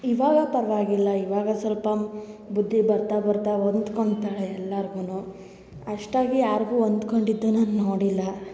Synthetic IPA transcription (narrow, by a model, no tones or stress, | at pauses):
iʋaːɡɐpɐɾɐʋaːɡilːɐiʋaːɡɐsɐlpɐbud̪ʱːibɐɾt̪abɐɾt̪aond̪ko̞ɳɖt̪aːɭeɛlːɐɾɡuːnuː | ɐʂʈaːɡijaːɾɡuːond̪koɳɖid̪ːunɐnnoːɽilːɐ